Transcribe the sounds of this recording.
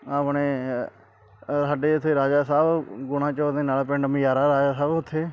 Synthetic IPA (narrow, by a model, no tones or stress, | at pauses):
aːpɳeː | saːɖeːʊt̪ʰːeːɾaːd͡ʒaːsaːbɡʊɳ̃ãːt͡ʃɔːd̪eːnaːlpɪ̃ɳɖəmjaːɾaːɾaːd͡ʒaːsaːbʊt̪ʰːeː